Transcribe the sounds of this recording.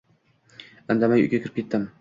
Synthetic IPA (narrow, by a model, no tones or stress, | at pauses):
and̪amajʊ̰ɡʲakʲʰɪɾɪp̚kʰʲe̞t̪ːɪm